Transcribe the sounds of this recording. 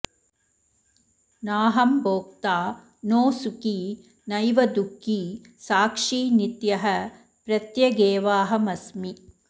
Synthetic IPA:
naːɦɐmboːk̚t̪aː | noːsuki | nɐjʋɐd̪ukːiː | saːkʂiːnit̪jɐɦɐ | pɾɐt̪jɐɡeːʋaːɦɐmɐsmi

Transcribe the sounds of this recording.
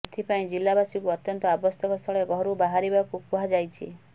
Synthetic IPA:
et̪ʰipaĩd͡ʒilabasikuɔt̪jɔnt̪ɔabɔst̪ɔkɔst̪ʰɔɭeɡʱɔɾubaɦaɾibakukuɦad͡ʒajt͡ʃʰḭ

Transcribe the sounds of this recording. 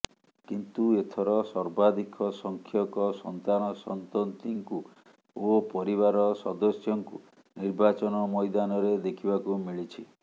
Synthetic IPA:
kint̪uet̪ʰɔɾɔsɔɾbad̪ikɔsɔŋkʰjɔkɔsɔnt̪anɔsɔnt̪ɔnt̪iŋku | opɔɾiβaɾɔsɔd̪ɔsjɔŋku | niɾbat͡ʃɔnɔmɔjd̪anɔɾed̪ekʰibakumiɭit͡ʃʰi

